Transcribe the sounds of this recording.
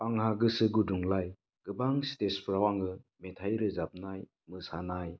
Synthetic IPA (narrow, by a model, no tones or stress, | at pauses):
paŋhaɡɯsɯɡuduŋlaj | ɡ̥ɯbaŋstespʰɾawaŋɯmetʰajɾɯzap̚naj | mɯsanaj